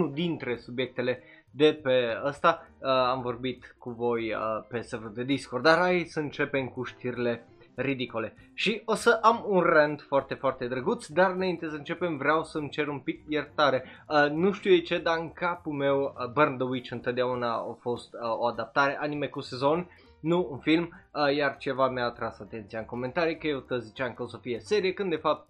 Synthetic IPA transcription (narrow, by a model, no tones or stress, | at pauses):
nud̪int̪ɾe̞subje̞k̚t̪e̞le̞d̪e̞pe̞əst̪aəamvo̞rbit̪kuvo̞jəpe̞sevod̪e̞d̪iskord̪d̪aɾaisəɨnt͡ʃe̞pe̞mkuʃt̪iɾile̞ | rid̪ikole̞ | ʃio̞səʔamunrend̪foart̪e̞foart̪e̞d̪ɾəɡut̪sd̪aɾɨnaint̪e̞səɨnt͡ʃe̞pe̞mvɾeawsəmt͡ʃe̞ɾumpik̚jert̪aɾe̞ənuʃt̪iuet͡ʃe̞d̪aɨŋkapulme̞wbərnd̪əwit͡ʃɨnt̪ot̪̚d̪eaunao̰fo̞st̪əoad̪ap̚t̪aɾe̞ʔanime̞kuse̞zo̞nː | uːnfilməjart͡ʃe̞vameaːt̪ɾasat̪e̞nt̪sijaɨŋko̞me̞nt̪aɾijkəje̞wt̪əzit͡ʃaɨŋkəosəfiese̞ɾijekɨnd̪e̞fap̚t̪̚